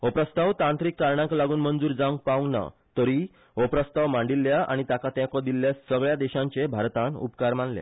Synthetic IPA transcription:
opɾəst̪awt̪ãnt̪ɾikːaɾɳãklaɡuːnmənd͡zuːɾd͡zãũŋk̚paũŋna̰ | t̪əɾi | opɾəst̪aʋmãɳɖilːjaa̰ɽ̃it̪akat̪jãkɔd̪ilːjasəɡɭjad̪ɛɕãɲt͡ɕebʱaɾt̪ãnṵpkaɾmaɳlḛ̃

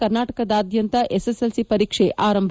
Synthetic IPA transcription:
ɐɾnaːʈɐkɐd̪aːd̪jɐnt̪ɐʔeseselsipɐɾiːkʂeʔaːɾɐmbʱ

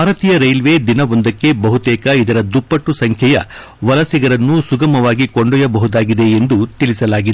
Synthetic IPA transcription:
aːɾɐt̪iːjɐɾɐjlʋed̪inɐʋo̞nd̪ɐkːe̞bɐɦut̪ɛːkɐid̪ɐɾɐd̪upːɐʈːusɐŋkʰjɛjɐ̰ | ʋɐlɐsiɡɐɾɐnːusuɡɐmɐʋaːɡiko̞ɳɖɔjɐbɐɦud̪aːɡid̪e̞ːnd̪ut̪iɭisɐlaːɡid̪e

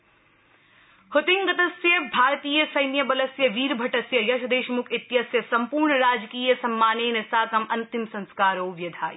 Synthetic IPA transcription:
hʊt̪ɪŋɡɐt̪ɐsjəbʱaːɾt̪iːjəsɐjnjɐbɐlɐsjɐʋiːɾbʱɐʈɐsjɐjɐʃʰɐd̪eːʃmʊkʰɪt̪jɐsjɐsɐmpuːɾɳɾaːd͡ʒkiːjəsɐmːaːneːnesaːkɐmɐnt̪ɪmsɐ̃nskaːɾoːʋjɐd̪ʱaːj

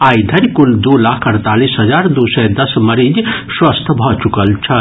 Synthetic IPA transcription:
aid̪ʱəɾkuld̪ulakʰəɾt̪alisɦəd͡ʒaɾd̪usəjd̪əsməɾid͡ʒswəst̪ʰəbʱɔt͡ʃukəlt͡ʃʰən

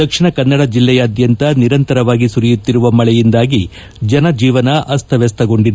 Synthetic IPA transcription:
d̪ɐkʂiɳɐkɐnːɐɽɐd͡ʒilːɛjɐːd̪jɐnt̪ɐniɾɐnt̪ɐɾɐʋaːɡisuɾijut̪ːiɾuʋɐmɐɭɛjind̪aːɡi | d͡ʒɐnɐd͡ʒiːʋɐnɐʔɐst̪ʰɐʋɛst̪ɐɡo̞ɳɖid̪

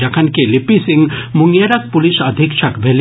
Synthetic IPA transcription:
ɐkʰɐnkelipisĩŋɡmuŋjeɾɐk̚puliʃəd̪ʱikʃʰɐkbʱel

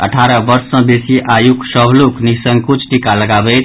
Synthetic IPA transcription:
ə̰ʈʰaɾəbəɾsːʌ̃besiʔajuksəbʱluknisəŋɡkut͡ʃʰʈikaləɡabəjt̪

